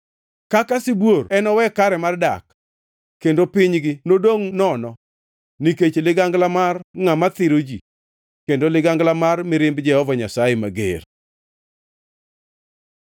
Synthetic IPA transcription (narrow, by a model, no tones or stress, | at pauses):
kakasibworɛnɔwɛkaɾɛmarda̰k | kːendopɪɲɡɪnodoŋnɔnɔ | niket͡ʃlɪɡaŋɡlamarŋamat̪ɪɾod͡ʒi | kendolɪɡaŋɡlamarmɪɾɪmbd͡ʒɛhɔvaɲasajɛmaɡḛr